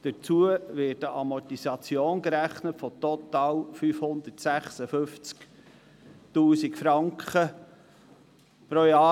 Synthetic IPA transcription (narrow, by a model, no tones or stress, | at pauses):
d̪̥ət͡suəvɪːdəʔɑmɔtisɑt͡sjoːnɡɾæχnətfɔt̪ɔt̪ɑːlfyːfhʊnd̪ətsæχsəfɵnft͡sk | tuːsikfɾɑŋkχə | pɾojɑː